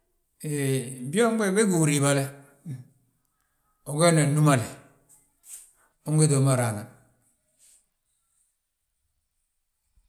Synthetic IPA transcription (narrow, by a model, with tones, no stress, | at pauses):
e˨bo˦m˦ɡ͡be˦˨be˦ɡu˨ɾi˨ba˨le˦ | o˨ɡe˦ne˨nu˦ma˨le˨ | o˦ɡe˦do˨˦ma˨ɾa˨na˨n